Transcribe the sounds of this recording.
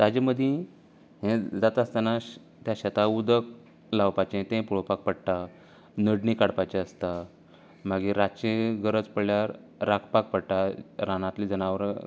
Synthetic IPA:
t̪ad͡ʑəməd̪ʱjĩ | ɦẽd͡zat̪aəst̪anaɕ | t̪jaɕət̪aud̪ək̚ | lawpat͡ɕẽt̪ẽpuɭopak̚pəɽʈa | nəɽnikaɽpajt͡ɕeəst̪a | maɡiɾat͡ɕeɡəɾət͡spəɭljaɾ | ɾakʰpak̚pəɽʈaɾanãt̪liːd͡zənaʋəɾ

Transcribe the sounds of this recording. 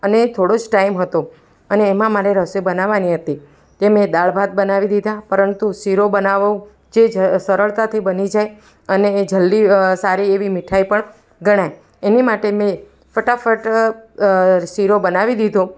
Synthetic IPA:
ənet̪ʰoɽod͡ʒʈaimɦət̪o | əneːmãmaɾeɾəsebənaʋaniɦət̪i | t̪emẽd̪aɭbʱat̪̚bənaʋid̪id̪ʱapəɾənt̪uʃiɾobənaʋũ | d͡ʒed͡ʒsəɾəɭt̪at̪ʰibənid͡ʒaj | əneːd͡ʒəlːisaɾieʋimɪʈʰaipəɳ | ɡəɽ̃aj | enimaʈemẽ | fəʈafəʈ | siɾobənaʋid̪id̪ʱõ

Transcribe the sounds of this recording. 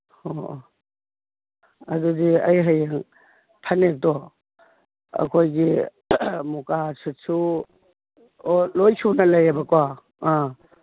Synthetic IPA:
ho | adudiɐ̰jɦajaŋ | pʰanek̚dɔ | ɐ̰kʰojɡi | mukasisu | lojsʰunɐlajabakɔwa | a

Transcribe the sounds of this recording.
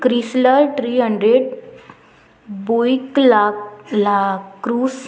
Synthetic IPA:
kɾisləlʈɾiːɦəɳɖɾeɽ | boiklalakːɾuːs

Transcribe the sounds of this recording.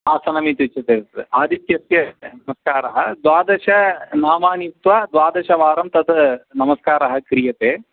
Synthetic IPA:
aːsɐnɐmit̪ut͡ʃɐt̪eːtaːd̪ʱit̪jɐsjɐnɐmɐskaːɾɐɦɐd̪ʋaːd̪ɐʃɐnaːmaːnit̪ʋɐd̪ʋaːd̪ɐʃɐʋaːɾɐmt̪ɐt̪ʰɐnɐmɐskaːɾɐɦɐ̆kɾijɐt̪eː

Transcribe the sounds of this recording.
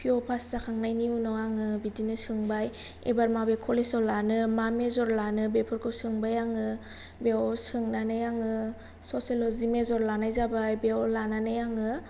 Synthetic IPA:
pʰiɔpʰastakʰaŋnajniunɔaŋɯbidinɯsɯŋbaj | ḛbaɾmabekʰɔlesɔlanɯmamezɔɾlanɯbepʰɔɾkʰɯwsɯŋbajaŋɯ | beɔsɯŋnanɯjaŋɯ | sɔselɔzimezɔɾlanajzabajbeɔlananɯjaŋɯ

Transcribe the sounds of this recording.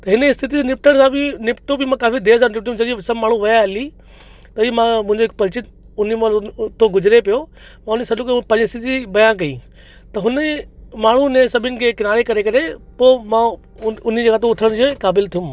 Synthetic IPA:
t̪ɐɦɪnəɪst̪ʰɪt̪̬inɪp̚ʈʰəɽ̃sãbɪnɪpʈõbɪmãkaːfid̪eːsaːɾnɪp̚ʈijũmd͡ʑɐd͡ʑisɐbmaːɳ̤ũʋɐjaɦɐli | t̪ɐiːmãmʊ̃ɦɪ̃ɲd͡ʑoɦɪkpɐɾɪt͡ɕɪt̪ | ʊn̤imãt̪ʰoɡʊd͡ʑɾepijo | mãʊnsɐɗõkpɐ̃leɪst̪ʰit̪ibɐjãk̬ɐḭː | t̪ɐɦʊnəmaːɳ̤umẽsɐbʱɪnɪ̆kʰeːkɪnaːɾekɐɾekɐɾepoːmã | ʊn̤d͡ʑeːɡaːt̪̬õʊʈʰəɽ̃d͡ʑoːkaːbɪlt̪ʰijʊ̃m

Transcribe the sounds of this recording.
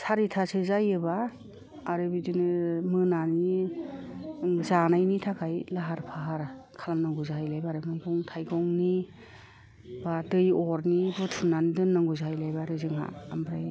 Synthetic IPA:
sʰaɾitʰasɯzajɯbaː | ɾɯbidinɯmɯnani | zanajnitʰakʰajlaɦaɾpʰaɦaɾkʰalamnaŋɡuzajlajbaɾɯmɯjɡɔŋtʰajɡɔŋni | badɯjɔɾnibɯtʰunandɯnːaŋɡuzaajlajbaɾɯzɯŋa̰ambɾaj

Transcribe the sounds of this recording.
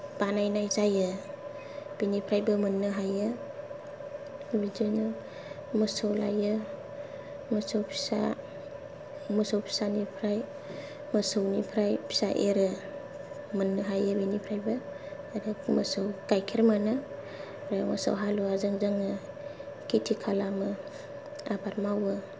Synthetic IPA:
b̥anajnajzajɯ | b̥enipʰɾajbɯmɯnːɯɦajɯ | bid͡ʒɔjnɯ | məsawla̰jɯ | məsawpʰi̥sa̰ | məsawpʰi̥sanipʰɾaj | məsawnipʰɾajpʰi̥sa̰ʔeɾɯ | mənːɯɦajɯbenipʰɾajbaː | ɾemə̰sawkajkʰeɾmanɯ | ɾamə̰sa̰wɦaluazaŋzaŋɯ | kitʰikʰalamɯ | abʰaɾmawɯ

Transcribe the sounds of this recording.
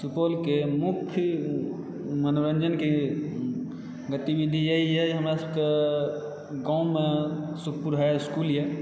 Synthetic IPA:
supolkemukʰ | mənoɾənd͡ʒənke | ɡət̪ibid̪ʱijəɦijɛɦəmɾasəbke | ɡãũmesukʰpuɾɦaeskuljɛ

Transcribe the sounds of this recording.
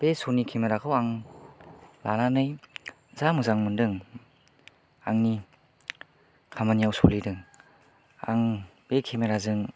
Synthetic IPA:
b̥esonikʰemeɾakʰɯwaŋ | lananɯj | zamuzaŋmundɯŋ | aŋni | kʰamanijawsolidɯŋ | a̰ŋbekʰemeɾazɯŋ

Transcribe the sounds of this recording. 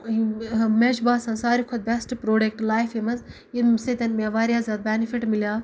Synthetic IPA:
med͡ʒbaːsɐ̃nsaːɾikʰod̪̚bɛsʈpɾoːɖekʈlaːjfemɐz | jid̪set̪ɐnmeʋaːɾʲjaːzʲɐd̪̚bʲɛnifiʈmiljaː

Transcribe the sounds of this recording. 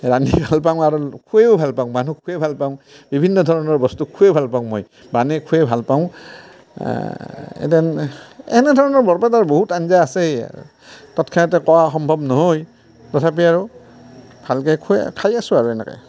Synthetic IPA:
ɹanibʱalpaʊ̃w̃aɹukʰueʊbʱalpaʊ̃w̃manukʰuebʱalpaʊ̃bibʱinːɔdʱɔɹɔnɔɹbɔstukʰuebʱalpaʊ̃moj | banɛkʰuɛbʱalpaʊ̃ | ɛ̰tɛnɛ̰nɛdʱɔɹɔnɔɹbɔɹpataɹboɦutanzaːsḛ | tɔtkʰanɔtɛkɔwaxɔmbʱɔbnɔɦoj | tɔtʰap̬iaɹu | bʱalkakʰukʰajasʊ̃aɹuɛnɛ̰kɔ̰j

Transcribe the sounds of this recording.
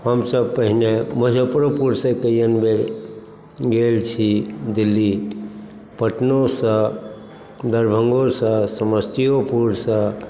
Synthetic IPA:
həmsəb̚pəɦineməd͡ʒəpɾopuɾsə̃kəijənbe | ɡelt͡ʃʰid̪ilːi | pəʈnosə̃ | d̪əɾbʱəŋɡosə̃səməst̪ʰijopuɾsə̃

